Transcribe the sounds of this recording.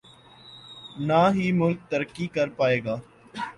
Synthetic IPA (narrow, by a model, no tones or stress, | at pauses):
naːɦiːmʊlk̚t̪əɾkiːkəɾpaːeːɡaː